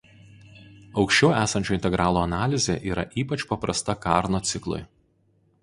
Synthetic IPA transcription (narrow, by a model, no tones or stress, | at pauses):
ɒʊkʃʲt͡ʃʲɛʊæːsɐnʲt͡ʃʲoːɪnʲt̪ʲɛɡɾɑːlˠoːɐnɑːlʲɪzʲḛːʔiːɾɐ̰ʔiːpɐt͡ʃpɐpɾɐst̪ɐkɑːˑɾnoːt̪sʲɪklˠʊ̰ɪ